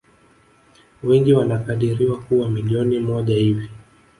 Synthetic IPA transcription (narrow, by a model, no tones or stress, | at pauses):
wɛŋɡiwanakaɗiɾiwakuwamiliɔnimɔʄahivi